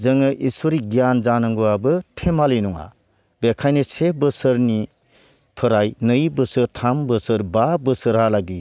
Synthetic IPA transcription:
zɯŋɯʔisuɾiɡijanzanɯŋɡuabɯtʰemalinuŋa̰ | bekʰajnɯsebɯsɯɾni | pʰɯɾajnɯjbɯsɯɾtʰambɯsɯɾbabɯsɯɾɦalaɡi

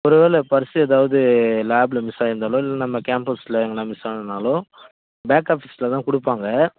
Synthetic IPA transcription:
ɔɾɯʋeːɭɛpɐɾɪsɯɛðaːʋɐðɯlaːblɐmɪsaːjɪɾɯnd̪aːlõːɪlːɐnɐmːɐkeːmpɐslɐɛŋɡɐlãːmɪsaːɾɯnd̪aːlõː | baːkaːfɪsɪlɐt̪ãːkʊɽɯpːaːŋɡɐ

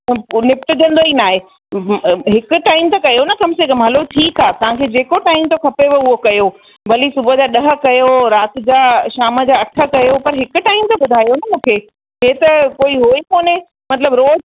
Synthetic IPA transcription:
nɪp̚ʈʊd͡ʑ̪ʱə̃nd̪oinaːɦe | ɦɪkʊ̆ʈaːɪmt̪ɐkɐjonɐkɐmsekɐmɦɐloʈʰiːkɦaːt̪ɐʋ̤ãkʰed͡ʑeːkoʈaːɪmt̪okʰɐpeʋɐʊɦokɐjo | bɐlisʊbʱəd͡ʑaːɗɐɦə̆kɐjoɾaːt̪ɪ̆d͡ʑaːʃaːmə̆d͡ʑaːɐʈʰə̆kɐjopɐɾɦɪkʊ̆ʈaːɪmt̪ɐɓʊd̪ʱaːjonɐmũːkʰe | ɦeːt̪ɐkoːiɦoːikoːne | mɐt̪ləbɾoːz

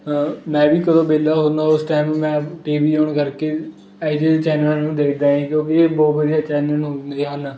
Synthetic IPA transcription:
mɛ̃ːbiːkəd̪õːbeːlaːɦõːnd̪aːʊsʈaːmmɛ̃ːʈiːʋiːoːɳkəɾkeː | aːɪd͡ʒiːlt͡ʃɛːnaːnũːd̪eːkʰd̪aːɦɛ̃ːkjõːkɪeːbɔːt̪ʋəd̪ijaːt͡ʃɛːnənɦoːiɦaːnaː

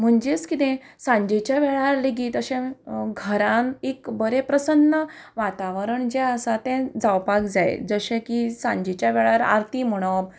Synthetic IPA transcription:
m̤əɳd͡ʑet͡skit̪ẽsãɲd͡ʑet͡ɕjaʋɛɭaɾleɡiːt̪əɕẽɡʱəɾãnekbəɾepɾəsənːəʋat̪aʋəɾəɳd͡ʑɛəsat̪ɛ̃d͡zawpakd͡zajḛd͡zəɕẽkisãɲd͡ʑet͡ɕjaʋɛɭaɾa̰ɾt̪im̤əɽ̃ob

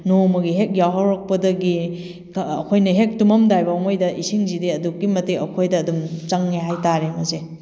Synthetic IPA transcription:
nomɐɡiɦek̚jawɦawɾɐk̚pɐdɐɡi | kɐ̰kʰojnɐɦek̚tumɐmdajbɐɐmojdɐʔisiŋzidiɐduk̚ːimɐtiɐkʰojdɐːdumt͡ʃɐŋːeɦajtaɾemɐze

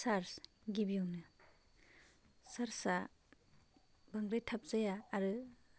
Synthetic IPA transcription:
saɾs | ɡibijɔŋnɯ | saɾsa | baŋɡɾajtʰap̚z̥ajaːɾɯ

